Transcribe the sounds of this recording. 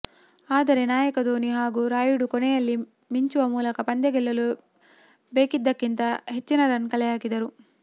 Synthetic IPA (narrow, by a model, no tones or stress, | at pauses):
aːd̪ɐɾe̞naːjɐkɐd̪oːniɦaːɡuːɾaːjuɽukɔnɛjɐlːi | miɲt͡ʃuʋɐmuːlɐkɐpɐnd̪ɐɡɛlːɐlu | beːkid̪ːɐkːint̪ɐɦe̞t͡ʃːinɐɾɐnkɐlɛjaːɡid̪ɐɾu